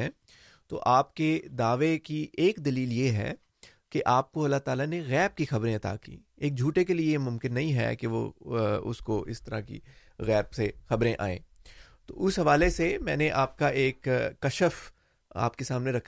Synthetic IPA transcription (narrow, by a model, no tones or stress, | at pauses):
ɛ̃ː | t̪o̰ːʔaːp̚ked̪aːʋekieːkd̪ɐliːljeɦɛ̰ː | keʔaːp̚koɐlːat̪aːlaneɣɛːb̚kixɐbɾẽɐt̪a̰kḭː | eːk̚d͡ʒʱuːʈekeliemʊ̃mkɪnːɐɦĩɦɛ̰keʋo̰ʊ̰skoʔɪ̰st̪ɐɾa̰kḭ | ɣɛːbsexɐbɾẽʔa̰ːḛ̃ː | t̪o̰ːʔʊsɦɐʋaːlesemɛ̃ːneʔaːp̚kaʔeːkːɐʃəf | a̰ːpkesaːmneɾɐkʰ